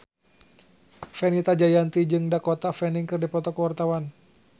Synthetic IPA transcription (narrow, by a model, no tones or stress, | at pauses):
fɛnit̪ad͡ʒajant̪id͡ʒɨŋdakɔt̪afɛniŋkɨrdipɔt̪ɔkəwart̪awan